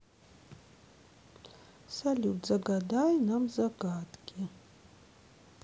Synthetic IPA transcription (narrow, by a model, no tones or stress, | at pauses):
salʲud͡zaɡadajnamzaɡaːtʼɡʲɪ